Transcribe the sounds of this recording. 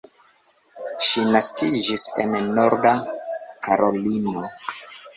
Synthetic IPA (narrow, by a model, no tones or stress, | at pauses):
ʃinaskid͡ʒisḛnːo̞ɾdakʰaɾʔo̞lino̞